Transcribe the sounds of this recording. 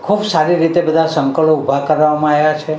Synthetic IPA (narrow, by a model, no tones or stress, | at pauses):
kʰubsaɾiɾit̪ebəd̪ʱasəŋkəɭoubʱakəɾʋamãaʋjat͡ʃʰe